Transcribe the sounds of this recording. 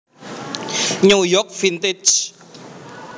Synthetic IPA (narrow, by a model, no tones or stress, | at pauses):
ɲujɔkfint̪ed͡ʒ